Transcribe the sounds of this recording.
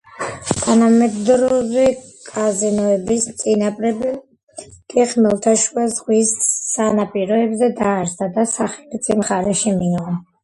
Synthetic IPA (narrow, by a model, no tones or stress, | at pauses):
t̪ʰanamɛd̪ɾɔvi | kʼazinɔɛbist̪sʼinapʼɾɛbɛ | kʼɛχmɛlˠt̪ʰaʃuazʁwisːanapʼiɾɔɛbzɛd̪aːɾsad̪asaχɛlit̪sʼimχaɾɛʃimiʁɔ